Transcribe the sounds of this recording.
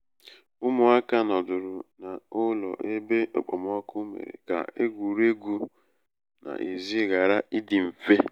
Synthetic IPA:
ʊ˦mʊ˨a˦ka˦nɔ˨dʊ˨ɾʊ˨na˨ʊ˦lɔ̰˨ʔe˦be˦o̰˨k͡pɔ˨m˦ɔ˦kʊ˦mḛ˨ɾḛ˨ka̰˨e˦ɡʷu˨ɾe˦ɡu˦ | na̰˨ʔi˨zi˦ɣa˨ɾa˦ʔi˦dɪ˨m̩˨fe˦

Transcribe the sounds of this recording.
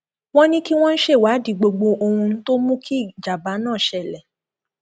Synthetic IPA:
w̃ɔ̃˦nĩ˦ki˦w̃ɔ̃˦n̩˦ʃe˦˨wa˨˦di˨ɡ͡bo˧ɡ͡bo˧o˧hũ˧n̩˦to˦mũ˦kʰi˦˨d͡ʒa˨ba˨˦nãː˦˨ʃɛ˦˨lɛ˨

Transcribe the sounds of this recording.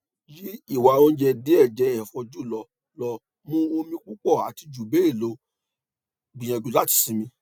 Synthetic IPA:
ji˦i˦˨wa˨o˦d͡ʒɛ˧de˨˦ɛ˦˨d͡ʒɛ˨˦˨fɔ˧d͡ʒu˦˨lɔ˧ | lɔ˧ | mũ˦o˧mĩ˧k͡pu˦k͡pɔ˦˨a˨ti˧d͡ʒu˨be˨˦i˦˨lo˨˦ | ɡ͡bĩ˨j̃ã˨d͡ʒu˨˧la˦ti̥˨sĩ˧˦mĩ˧

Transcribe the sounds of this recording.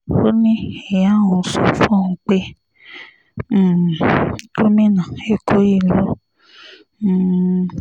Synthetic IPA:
o˦nĩ˦e˨ja˦˨wɔ̃˨˦sɔ˦fɔ̃˦˨u˨k͡pe˦˨ | o˦mĩ˦nã˨e˦kʰo˦ji˦˨lo˦˨

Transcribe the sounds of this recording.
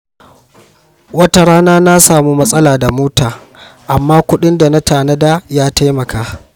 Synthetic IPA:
wɐ˦ta˦ɽaː˦naː˦na˦saː˨mu˦mɐ˦sʼɐ˦laː˨da˨moː˦taː˨ | ʔa˨mːaː˦kʷʊ˦ɗɪ˦nda˨na˦taː˨nɐ˦daː˦jaː˦ta˦jmɐ˨kaː˦

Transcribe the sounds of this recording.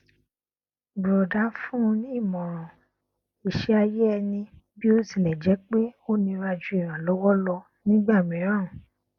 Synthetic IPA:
bɾɔ˨da˨˦fũ˦˧˦nĩ˦˨mɔ̃˨ɾ̃ɔ̃˨ | i˨ʃɛ˦a˧je˦ɛ˧nĩ˧ | bi˦o˦sĩ˦˨lɛ˨d͡ʒɛ˨˦k͡pe˦o˦nĩ˧ɾa˧d͡ʒu˧i˦˨ɾ̃ã˨lɔ˨˦wɔ˦lɔ˧ | nĩ˦ɡ͡ba˦˨mĩ˨˦ɾ̃ã˦˨ũ˨

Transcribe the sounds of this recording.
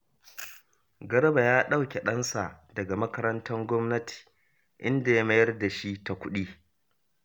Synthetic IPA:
ɡɐ˦ɾɐ˦ba˨jaː˦ɗa˦wkʲe˨ɗɐ˦nsa˨ʔdɐ˨ɡa˨mɐ˦kɐ˦ɾɐ˦ntʰɐ˦ŋɡʷɔ˦mnɐ˦tʰi̥ː˨ | ʔɪ˦nda˨ja˦mɐ˦jɐ˦rda˨ʃi˦ta˨kʷʊ˦ɗiː˦

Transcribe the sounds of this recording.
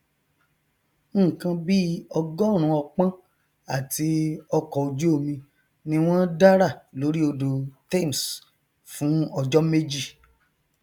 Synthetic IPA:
ŋ̩˦˨kã˧bi˦ɔ˧ɡɔ˦ɾ̃ũ˨˧˦ɔ˧k͡pã˦ | a˦˨ti˧˦ɔ˧kɔ˨o˨d͡ʒu˦o˦˨mĩ˧ | nĩ˧w̃ɔ̃˦da˦ɾa˦˨lo˨˦ɾi˦o˧do˨ta˦˨m˨s | fũ˨˦ɔ˧d͡ʒɔ˦me˦d͡ʒi˦˨

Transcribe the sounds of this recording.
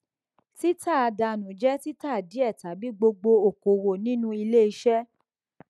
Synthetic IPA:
ti˦ta˦˨a˧da˧nũ˨d͡ʒɛ˦ti˦ta˦˨di˨˦ɛ˦˨ta˨˦bi˨˦ɡ͡bo˧ɡ͡bo˧o˨ko˨wo˨nĩ˦nũ˧i˧le˦i˧ʃɛ˦

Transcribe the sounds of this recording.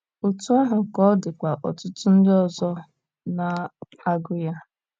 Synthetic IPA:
o˨tu˦a˦ɦa˨kɔ˦dɪ˨kʷa˨ʔɔ̰˨tʊ˦tʊ˦n̩˦dɪ˦ɔ˨zɔ˦ | na˨ | a˦ɡʊ˦ja˦

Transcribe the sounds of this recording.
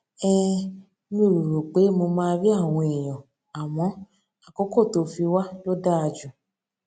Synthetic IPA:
ɛ˦˧ | mĩ˧˨ɾo˨ɾo˨k͡pe˨˦mo˧mãː˦˧ɾi˦a˦˨w̃ɔ̃˧e˨j̃ɔ̃˨ | a˨w̃ɔ̃˨˦ | a˨kɔ˨˦ko˦˨to˨˦fi˧wa˦lo˦da˦a˧d͡ʒũ˨

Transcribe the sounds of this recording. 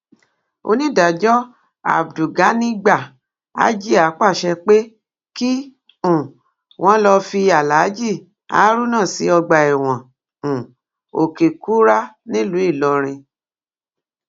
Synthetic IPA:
o̰˧nĩ˦da˨d͡ʒɔ˦ | a̰˨bdu˨ɡa˨˦nĩ˦ɡ͡ba˦˨ | a̰˦d͡ʒi˦a˨˦k͡pa˦˨ʃɛ˧k͡pe˦ | ki˦ | ũ˦˨ | w̃ɔ̃˨˦lɔ˧fi˧a˨la˨˦d͡ʒi˦˨ | a̰˨˦ɾu˦nã˦˨si˨˦ɔ˧ɡ͡ba˨ɛ˨w̃ɔ̃˨ | ũ˨ | o˨ke˨ku˦ɾa˦nĩ˦lu˨˦i˦˨lɔ˧ɾ̃ĩ˧

